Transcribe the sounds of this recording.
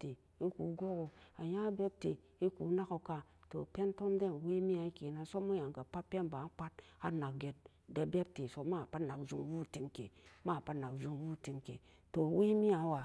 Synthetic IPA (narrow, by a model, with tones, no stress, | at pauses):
te˨ | i˦ku˨ɡo˦ko˨a˨ja˦be˦b̚te˨ | i˦ku˨˦na˦ko˨ka˦to̰˨pe˦nto˦mde˦n˨we˦mi˦a˨i˦ke˨na˨so˦mu˦ja˨ŋ˨ɡa˨pa˦pe˦nba˨˦k͡pa˦t̚a˦na˨k̚ɡe˨t̚ | de˦be˦b̚te˨so˨˦ma˦˨pa˦na˨kzu˦ŋ˦wu˦˨ti˦mke˨ma˦˨pa˦na˨kzu˨ŋwu˦˨ti˦mke˨ | to˨we˦mi˦a˨˦wa˨